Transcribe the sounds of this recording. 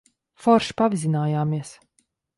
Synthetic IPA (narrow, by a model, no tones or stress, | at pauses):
fɔɾʃpavizʲinaːjaːmiɛs